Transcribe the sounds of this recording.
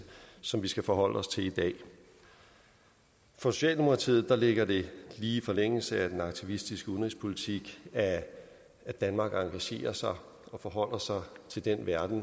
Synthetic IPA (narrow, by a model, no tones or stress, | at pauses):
sɒ̽mʋisɡ̥æfɒ̽ɦɒ̽l̰əɒ̽st͡sʰe̝lid̥ɛ̰ː | fɒso̝̥ɕɛ̰ːld̥emo̝kʰʁɑ̈t͡sʰḭːð̩ˠd̥ɑ̈le̝ɡ̥ɐde̝liːifɒ̽leŋ̰l̩səæd̥enɑ̈ɡ̥̚t͡sʰiʋisd̥isɡ̥əunʁispʰo̝lit͡sʰiɡ̥æː | d̥ænmɑ̈ɡ̥ɑ̈ŋɡ̥æɕe̝̰ːɐsɑ̈ɪ | ɒ̽fɒ̽ɦɒ̽l̰ɐsɑ̈ɪt͡sʰe̝ld̥enʋæɐd̥n̩